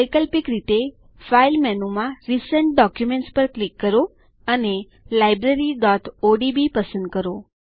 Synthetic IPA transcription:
jkəlpikɾit̪e | failmɛnumãɾisəɳʈ̚ɖɔkjumẽɳʈspəɾklikːəɾo | əne | lajbɾeɾiɖɔt̪oɖibipəsə̃nd̪̚kəɾo

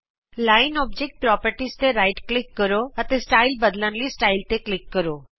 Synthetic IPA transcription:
laːɪnɔːbd͡ʒek̚ʈ̚pɾɔːpəɾʈist̪eɾaːɪjʈklɪkːəɾoət̪esʈaːɪlbəd̪lənlisʈaːɪlt̪eklɪkːəɾoː

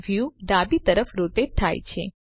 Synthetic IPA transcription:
ʋjuɖabit̪əɾəfɾoʈeɖ̚t̪ʰajt͡ʃʰḛ

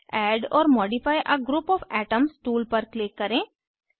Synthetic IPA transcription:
ɛːɖɔ̰ːɾmɔːɖipʰaːjʔɐɡɾupɔːfɛːʈəmsʈuːlpɐɾklɪkːɐɾẽː

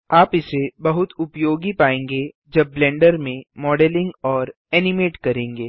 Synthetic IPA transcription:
aːpɪsebɐɦʊt̪ʊpjoːɡipaːẽːŋɡe | d͡ʒɐbːlɛ̃ːɳɖəɾmẽmɔːɖɛlɪ̃ŋɡɔːɾ | ɛːnɪmeːʈkɐɾẽːŋɡeː

